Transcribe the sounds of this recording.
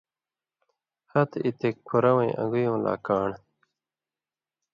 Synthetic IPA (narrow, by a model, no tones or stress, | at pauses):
hɐt̪it̪ekkʰːuɾɐwẽj̃ʔɐ̰̃ŋɡujõːla̰ːkaːɳ